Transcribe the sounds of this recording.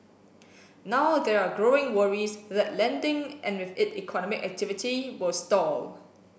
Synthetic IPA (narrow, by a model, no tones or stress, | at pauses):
nawdɛɹaɡɹoɪ̃ŋwəɹisðɛtlɛ̃ndɪ̃ŋʔɛ̃nwɪθɪtḭkʰɔnɔmɪkɛ̰k̚tʰɪvɪtʰiwɪlstɔl